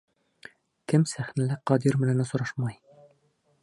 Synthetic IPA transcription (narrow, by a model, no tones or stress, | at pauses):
kɘmsæχnælɘqɒd̪iɾmɘ̆nænæsŏɾɑʃmɑj